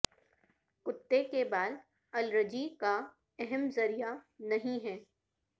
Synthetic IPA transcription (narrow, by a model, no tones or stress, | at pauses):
kʊt̪ːekebaːd̪ | ɐlɾəd͡ʒika | ɛɦɛmzɐɾijanɐɦĩɦɛː